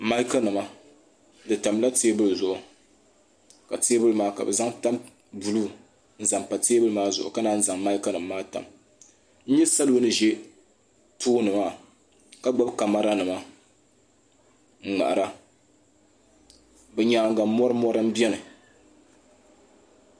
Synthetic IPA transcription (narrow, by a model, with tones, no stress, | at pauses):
ma˦i˦ka˦nɨ˨ma˦ | dɨ˨ta˨mla˦teː˦bɨ˦lzʊ˨ʔʊ˨ | ka˨teː˦bɨ˦lɨ˦maː˦ka̰˨bɛ˨za˦ŋta˦m | bu˨luː˦ | n̩˦za˨mpa˨teː˦bɨ˦lɨ˦maː˦zʊ˨ʔʊ̰˨ka˦naː˦n̩˦za˨ŋma˦i˦ka˦nɨ˨mː˦aː˦ta̰˨m | n̩˦ɲɛ˦sa˦lo˦nɨ˨ʒɛ˦ | tʰoː˦nɨ˨maː˦˨ | ka˦ɡ͡ba˦bka˨ma˦ɾa˦nɨ˨ma˦ | ŋ̩˨ŋ͡ma̰˨ʔa˨ɾa˦ | bɛ˨ɲaː˨ŋ˦ɡa˨˦mːɔ˦ɾɨ˦mɔ˦ɾɨ˦m̩˦bɛ˦nɨ˨